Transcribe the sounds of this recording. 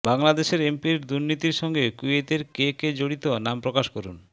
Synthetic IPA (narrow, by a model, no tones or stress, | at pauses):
baŋlad̪eʃeɾempiɾd̪uɾnit̪iɾʃɔŋɡekuet̪eɾkeked͡ʑoɽit̪onampɾokaʃkoɾun